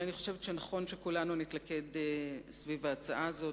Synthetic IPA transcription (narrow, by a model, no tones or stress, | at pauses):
aniχo̞ʃe̞vetʃenaχo̞nʃekulanunit̪lake̞desvivaːt͡saʔazo̞